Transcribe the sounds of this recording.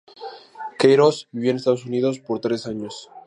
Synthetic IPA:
kejɾosbiβjonest̪aðosuniðo̞spoɾt̪ɾe̞saɲos

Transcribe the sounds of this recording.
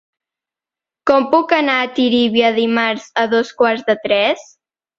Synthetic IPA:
kɔmpukənaːt̪iɾiβiəðimaɾz̥əðoskwaɾzðət̪ɾɛs

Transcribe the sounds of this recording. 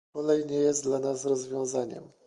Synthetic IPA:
ɔlɛjɲɛjɛst̪d̪lanasɾɔzvʲjɔ̃w̃zaɲɛ̰m

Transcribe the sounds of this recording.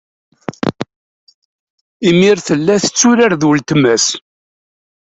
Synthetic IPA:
imiɾθəlːæθə̥t͡sːʊɾaɾðwəlt̪mæs

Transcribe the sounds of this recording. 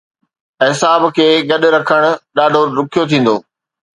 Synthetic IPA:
ɦɪsaːbkʰeːɡɐɗɾɐkʰəɽ̃ʊ̆ɗaːɖʱoɾʊkʰijot̪ʰĩːn̆d̪oː

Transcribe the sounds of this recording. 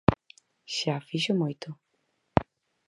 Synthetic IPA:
ʃafiʃʊmujt̪ʊ

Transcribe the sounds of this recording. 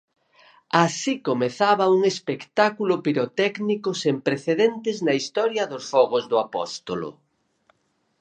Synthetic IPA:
asikomeθaβɐuŋespekt̪akulʊpiɾot̪ɛknikʊsempɾeθeðent̪ɪznɐist̪ɔɾjɐðʊsfɔɣʊzðʊapɔ̰st̪olʊ̰

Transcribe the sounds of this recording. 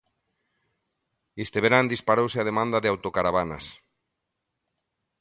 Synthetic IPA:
est̪eβeɾand̪ispaɾowseað̞emãnd̪aðeawt̪okaɾaβ̞ana̰s

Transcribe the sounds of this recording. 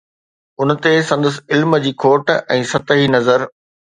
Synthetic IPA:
ʊnt̪esɐ̃nd̪əs̬ɪ̆ɪlməd͡ʑiːkʰoːʈɛ̃ːsɐt̪əɦinɐzəɾ

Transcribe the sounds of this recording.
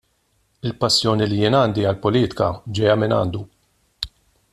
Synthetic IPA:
ɪlpɐsːjɔːnilijɪːnɐːnd̪iɐlpɔliːt̪ɪ̥kɐ̰d͡ʒɛjɐmɪnɐ̰ːnd̪u

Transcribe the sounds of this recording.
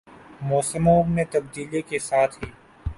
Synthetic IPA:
moːsɪmoːbnet̪ɐb̚d̪iːlikesaːt̪ʰɦiː

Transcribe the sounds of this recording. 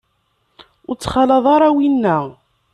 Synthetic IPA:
ʊɾt͡sːχɑlɑðˤɑɾˤɑwinːæ

